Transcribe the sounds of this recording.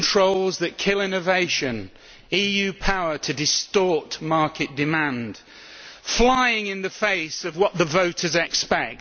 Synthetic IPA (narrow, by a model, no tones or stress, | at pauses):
ntʰɹ̥oʊlˠzðɨʔ̚kʰɪlˠɪ̃nəveɪʃɨ̃n | iːjʉpʰaʊə˞tʰɨdɪstɔɹˑʔmɑɹkɪʔd̥ɪmãnd̥ | flaɪɪ̃ŋɪ̃nðɨfeɪsəvwɒʔ̪̚ðəvoʊtəzɛkspɛk̚t